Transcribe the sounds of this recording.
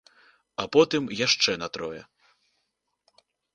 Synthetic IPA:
ɐpɔt̪ɨmjaʂt͡ʂɛnɐt̪ɾɔjɛ

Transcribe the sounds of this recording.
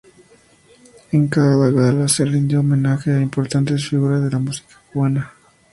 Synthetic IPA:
eŋkaðaɣalaserind̪jomenaxeaimpo̞ɾt̪ant̪e̞s̬fiɣuɾazðe̞lamusi̥kḁkuβana

